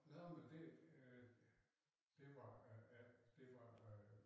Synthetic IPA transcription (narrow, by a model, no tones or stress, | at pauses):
nomend̥e̝̥ | d̥e̝ʋɑjæd̥e̝ʋɑ